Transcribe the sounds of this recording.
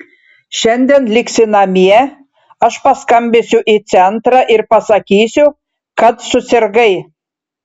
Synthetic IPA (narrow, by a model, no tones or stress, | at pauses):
ʃɛnʲd̪ʲenlʲiksʲɪnɑmʲiɛ | ɑʃpɑskɑmʲbʲesʲuʔit͡sʲɛnt̪ɾɑʔirpɑsɑkʲisʲu | kɑt̪susʲerɡɐj